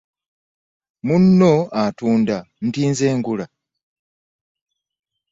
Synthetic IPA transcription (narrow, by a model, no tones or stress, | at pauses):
munːoatuːnda | n̩tiːnzeːŋɡula